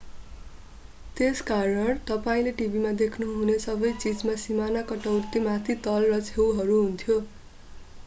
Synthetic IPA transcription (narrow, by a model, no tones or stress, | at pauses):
t̪eskaɾʌɳt̪ʌpaĩleʈibʱimad̪ekʰnuɦunesʌbʌjt͡sid͡zmasimanakʌʈʌwt̪imat̪ʰit̪ʌlrʌt͡sʰewɦʌɾuɦunt̪ʰjo